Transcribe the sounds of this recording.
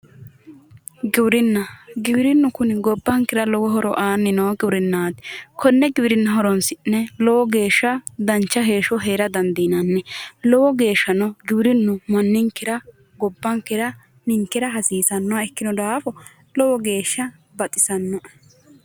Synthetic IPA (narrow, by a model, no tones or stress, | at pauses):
ɡɪwɾɪnːɐɡɪwɪɾɪnːʊkʊnɪɡɔbːɐŋkɪɾɐlɔwɔɦɔɾɔʔaːnːɪnoːɡɪwɾɪnːaːd̪ɪ̥kʰɔnːɛɡɪbɪɾɪnːʊɦɔɾɔnsɪnɛlɔwɔɡe̞ːʃːɐd̪ɐnt͡ʃːɐɦe̞ːʃɔɦeːɾɐd̪ɐnd̪inɐnːɛlɔwɔɡe̞ːʃːɐnɔɡɪwɪɾɪnːʊmɐnːɪŋkːɪɾɐ | ɡɔbːɐŋkɪɾɐ | nɪŋkːɪɾɐɦɐsiːsɐnːɔɐɛkːɪnɔd̪aːfɔ | lɔwɔɡe̞ːʃːɐ | bɐt̪ʼɪsɐnːɔ